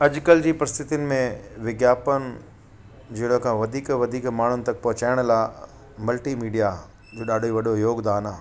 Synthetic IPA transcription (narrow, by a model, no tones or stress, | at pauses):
ɐʄkəld͡ʑiːpɾɐst̪ʰɪt̪ɪnɪ̆mẽʋɪɡjaːpən | d͡ʑɪɽəkʰãːʋɐd̪ʱiːkʋɐd̪ʱiːkmaːɳ̤ʊnɪ̆t̪ɐk̚pɐɦʊt͡ɕaːɪɽ̃laː | mɐlʈiːmiːɖija | d͡ʑoːɗaːɖʱiʋɐɗojoːɡd̪aːnaː